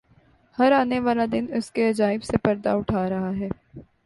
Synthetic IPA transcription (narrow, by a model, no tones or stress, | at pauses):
hɐɾaːneʋaːlad̪ɪnʊskeɐd͡ʒaːɪbsepɐɾd̪aʊʈʰaːɾɐɦaɦɛː